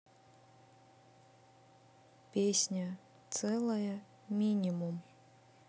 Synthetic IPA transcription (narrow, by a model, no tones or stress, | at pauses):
pʲesʲnʲɐ | t̪sɛlˠɐjə | mʲinʲimum